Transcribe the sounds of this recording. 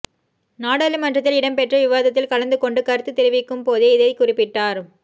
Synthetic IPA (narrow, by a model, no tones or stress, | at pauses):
naːɽɐlɯmɐndrɐt̪̬ːɪlɪɽɐmpɛʈrɐʋɪʋaːðɐt̪̬ːɪlkɐɭɐnd̪ɯkɔɳɖɯkɐɾɯt̪ːɯt̪ːɛɾɪʋɪkːɯmpoːðeɪðɐɪkʊrɪpːɪʈːaːɾ